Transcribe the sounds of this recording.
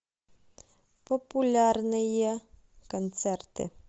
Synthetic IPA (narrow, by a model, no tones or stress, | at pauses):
popʊlʲarnɪje | kɔnt̪sɛrt̪ɪ̰